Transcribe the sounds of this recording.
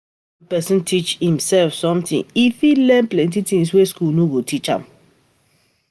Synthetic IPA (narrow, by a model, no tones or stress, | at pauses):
pɛsĩntʰit͡ʃhĩmsɛlfsɔ̃mtḭ̃ŋifilɛ̃nplɛ̃nt̬itĩŋs̬weskulnoɡotʰit͡ʃã̰m